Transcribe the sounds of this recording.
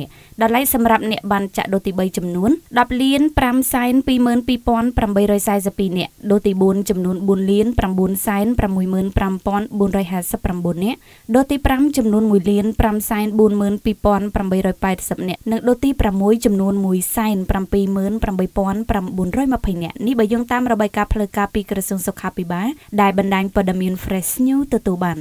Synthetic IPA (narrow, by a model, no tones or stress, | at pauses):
əʔ | ɗɑlaɛk̚sɑmrap̚nɛ̆əʔɓaːnt͡ɕa̰ʔɗoːt̪iːɓəjt͡ɕɑmnuənɗɑp̚liənpramsaɛnpiːməːnpiːpŏənpramɓəjɾɔːjsaɛs̬əpːiːnɛ̆əʔɗoːt̪iːɓuənt͡ɕɑmnuənɓuənliənpramɓuənsaɛnpramːuəjməːnprampŏənɓuənrɔːjɦaːsəpːramɓuənːɛ̆əʔʔ | ɗoːt̪iːpramt͡ɕɑmnuənmuəjliənpramsaɛnɓuənməːnpiːpŏənpramɓəjɾɔːjpaɛt̪̚səp̚nɛ̆əʔnɨŋɗoːt̪iːpramːuəjt͡ɕɑmnuənmuəjsaɛnprampiːməːnpramɓəjpŏənpramɓuənrɔːjməpʰəjnɛ̆əʔnihɓɑːjoːŋt̪aːmrɔɓaːjkaːpʰləwkaːpiːkrɑsuəŋsokʰːaːpʰiɓaːlɗaɛlɓɑnɗaːɲpŏəɗɑmiənfʰrɛsɲuːt̪ɔt̪uəlɓaːn